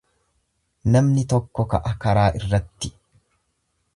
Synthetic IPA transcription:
nɐmnɪt̪ɔkːɔkɐʔɐkɐɾaːʔɪrːɐt̪ːɪ̥

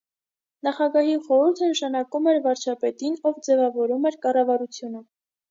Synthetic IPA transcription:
nɑχɑɡɑɦiχɔɾuɾt̪ʰənəʃɑnɑkumɛɾvɑɾt͡ʃʰɑpɛt̪inɔvd͡zɛvɑvɔɾumɛɾkɑrɑvɑɾut͡sʰjunə

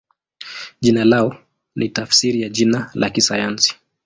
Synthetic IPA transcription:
ʄinalaɔ | nʔitafsiɾijaʄinalʔakisajansi̥

